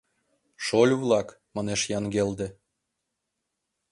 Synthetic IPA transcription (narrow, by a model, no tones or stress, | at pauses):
ʃolʲuβlˠɑk | mɑneʃjɑŋɡeld̪ĕ